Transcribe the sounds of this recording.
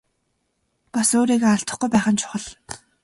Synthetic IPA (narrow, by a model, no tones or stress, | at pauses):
pasoːɾiːɣaaɬt̪ə̆χɡujpæːχə̆nt͡ɕʰʊ̥χə̆ɮ